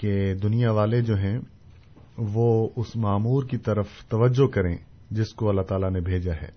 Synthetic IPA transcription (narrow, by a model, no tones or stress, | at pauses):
ked̪ʊnijaʋaːled͡ʒoːɦɛ̃ | ʋoʊsmaːmuːɾkit̪ɐɾəft̪ɐʋəd͡ʒːokɐɾḛ̃ː | d͡ʒɪskoɐlːaɦt̪aːlanebʱeːd͡ʒaɦɛ̰ː